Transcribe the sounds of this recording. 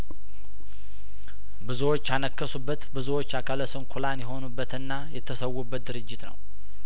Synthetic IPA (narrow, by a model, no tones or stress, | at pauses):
bɨzuwo̞t͡ʃːanəkːəsubːət̪bɨzuwo̞t͡ʃːakʰələsɨnkʰulanjɛɦo̞nubːət̪ɨnːajɛt̪ʰːəsəwːubːət̪̚d̪ɨɾɨd͡ʒːɪt̪nə̰w